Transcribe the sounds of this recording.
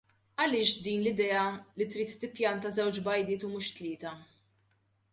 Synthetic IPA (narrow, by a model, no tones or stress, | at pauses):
ɐlɪːʃd̪iːnlɪd̪ɛːɐlit̪ɾiːt̪ːɪpjɐnt̪ɐzɛwt͡ʃbɐjd̪ɪːt̪umuːʃt̪lɪːt̪ɐ